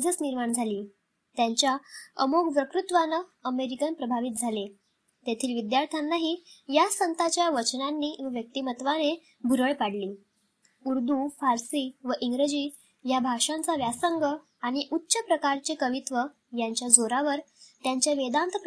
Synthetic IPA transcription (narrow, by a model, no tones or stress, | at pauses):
d͡zʱət͡sniɾmaɳd͡zʱaliː | t̪jaɲt͡ɕjaə̰moɡpɾəkɾut̪ʋanəəmeɾikənpɾəbʱaʋit̪̚d͡zʱale | t̪et̪ʰiːlʋid̪jaɾt̪ʰanːaɦijasənt̪at͡ɕjaʋət͡ɕnanːiːʋəʋjək̚t̪imət̪ʋane | bʱuɾəɭpaɽliː | uɾd̪ufaɾsiːʋəʔiŋɡɾəd͡ʑiː | jabʱaʂãnt͡saʋjasəŋɡə | aɽ̃iʔutːɕəpɾəkaɾt͡ɕekəʋit̪ʋə | jaɲt͡ɕjad͡zoɾaʋəɾt̪jaɲt͡ɕjaʋed̪ant̪əp